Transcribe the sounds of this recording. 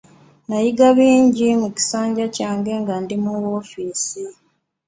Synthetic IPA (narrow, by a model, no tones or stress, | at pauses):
najiɡaβiːɲɟimuci̥saːɲɟacaːŋɡe̞ŋɡandimuwo̞ːfiːsi